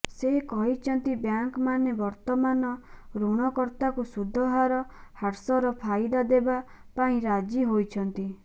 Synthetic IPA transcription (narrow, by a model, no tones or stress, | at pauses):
seɦikɔɦit͡ʃʰɔnt̪ibjaŋkmanebɔɾt̪ɔmanɔɾuɽ̃ɔkɔɾt̪akusud̪ʱːɔɦaɾɔhaɾsɔɾɔpʰajd̪ad̪eba | paĩɾad͡ʒiɦojt͡ʃʰɔnt̪i